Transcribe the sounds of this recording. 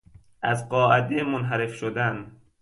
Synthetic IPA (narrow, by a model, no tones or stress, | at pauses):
ʔæzɢɒːʔæd̪emonɦæɾefʃod̪æn